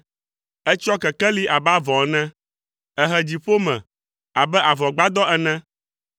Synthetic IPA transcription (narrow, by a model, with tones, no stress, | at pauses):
ɛ˦t͡ʃɔ˦kɛ˨kɛ˦li˦ʔa˨ba˦vɔ˨˦nɛ̃˦ | ɛ˨ɦɛ˨d͡ʑi˨ɸo˦mɛ̰̃˨ | a˨bɛ˦ʔa˨vɔ˨ɡ͡ba˦d̪ɔ˦ɛ˨nɛ̃˦